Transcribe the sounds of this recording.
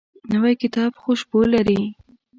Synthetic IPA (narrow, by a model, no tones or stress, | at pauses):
nəwajkɪt̪ɑbxoʃbolaɾi